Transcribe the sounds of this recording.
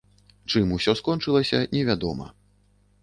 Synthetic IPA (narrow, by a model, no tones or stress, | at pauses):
t͡ʂɨmusʲɔskɔnt͡ʂɨlˠɐsʲɐnʲɛvʲad̪ɔmɐ̰